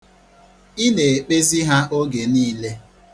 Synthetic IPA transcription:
i˦ne˨e˨k͡pe˦zi˦ɦa˦ʔo˦ɡe˨niː˦le˦

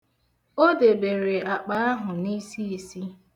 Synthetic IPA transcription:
o˦de˨be˨ɾe˨a˨k͡pa˨a˦ɦʊ˨ni˦si˦e˨si˦

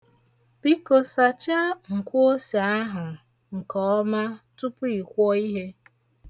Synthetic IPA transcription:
pi˦ko˨sa˨t͡ʃa˦ŋ̩˨kʷo˦si˨a˦ɦʊ˨ | ŋ̩˨kɔ˨˦ma˦tu˦pʊ˦i˨kʷɔ˦i˦ɦe˦

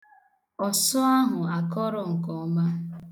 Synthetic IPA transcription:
ɔ˨sɔ˦a˦ɦʊ˨a˨kɔ˦ɾɔ˨ŋ̩˨kɔ˨ɔ˦ma˦

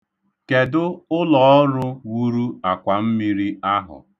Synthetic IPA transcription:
ke˨dʊ˦ʊ˦lɔ˨˦ɔ˦ɾʊ˦wu˦ɾu˦a˨kʷa˨m̩˦mi˦ɾi˦a˦ɦʊ̰˨

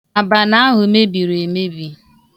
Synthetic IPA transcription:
a˨ba˨na˦a˦ɦʊ˨me˦bi˨ɾe˨me˦bi˨

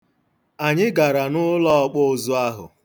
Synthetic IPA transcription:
a˨ɲɪ˦ɡa˨ɾa˨nʊ˦lɔ˦ɔ˦k͡pʊ˦ʊ˦zʊ˦a˦ɦʊ̰˨

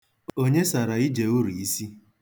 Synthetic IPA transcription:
o˦ɲe˦sa˨ɾa˨i˦d͡ʒe˨u˦ɾu˨i˦si˦

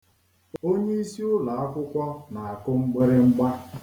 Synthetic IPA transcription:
o˦ɲe˦i˦si˦ʊ˦la˨a˦kʷʊ˦kʷɔ˦na˨a˨kʊ˦ŋ͡m̩˦ɡ͡bɪ˦ɾɪ˦ŋ͡m̩˦ɡ͡ba˦

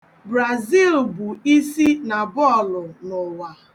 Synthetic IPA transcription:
bɾa˨zi˦˨lbu˨i˦si˦na˨bɔ˦˨lʊ˨nʊ˨wa˨

